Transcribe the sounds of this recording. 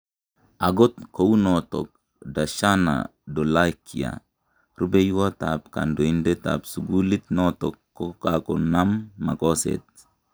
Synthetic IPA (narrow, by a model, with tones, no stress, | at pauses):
a˨ɡo˦t̪ko˨u˦no˨to̰k̚ | da˨ʃa˦na̰do˨la˦kʰi˨a̰˨ | ɾu˦be˦ju˦wo˦tap̚ka̰ndo˨i˦nde˦ta̰psu˨ɡu˦li˦t̪no˦tokːo˦kakona˦mːa˨ko˦sḛt̪̚